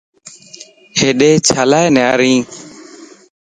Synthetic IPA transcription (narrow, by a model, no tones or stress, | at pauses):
heːɗeːt͡ʃʰaːlaːjnɛaɾĩː